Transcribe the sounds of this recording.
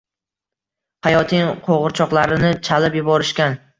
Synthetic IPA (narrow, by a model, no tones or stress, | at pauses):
hajɒt̪ʰɪŋqʰoʁɨɾt͡ʃʰɒqlˠaɾɪnɪt͡ʃʰalɪpjʊbɒɾɪʃkʲan